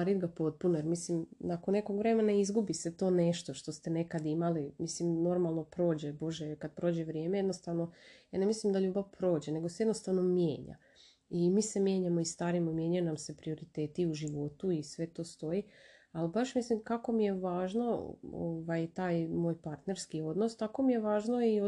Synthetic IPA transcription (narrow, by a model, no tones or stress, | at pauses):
aɾid̪ɡapo̞t̪̚punoje̞ɾmislimnakonːe̞ko̞ɡʋɾe̞menaizɡubiset̪o̞ːne̞ʃt̪o̞ʃt̪o̞st̪e̞ne̞kad̪imalimislimno̞ɾmalˠno̞pɾo̞ːd͡ʑebo̞ʒekad̪̚pɾoːd͡ʑe̞ʋɾjemejed̪no̞st̪aʋno̞janemislimd̪aʎuːbaʋpɾo̞ːd͡ʑe̞ne̞ɡosejed̪no̞st̪aʋno̞mjḛːɲa̰ | imiːse̞mje̞ːɲamo̞ist̪aːɾimomje̞ɲajunamse̞pɾio̞ɾit̪e̞ːt̪iuʒiʋo̞t̪uisʋe̞t̪o̞ːst̪o̞jialibaʃmislimkako̞mije̞ʋaːʒno̞o̰ːʋajt̪aːjmo̞ːjpaɾt̪ne̞ɾskio̞d̪nost̪ako̞mijeʋaːʒno̞i